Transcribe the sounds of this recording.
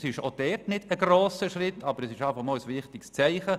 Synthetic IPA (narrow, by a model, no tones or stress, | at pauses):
sɪʃod̥ɛːtnɪd̥əɡroːsəʃrɪtʰːɑbəɾɛsɪʃɑːfɑχmɔːlsʋɪχtɪkst͡sɛɪχə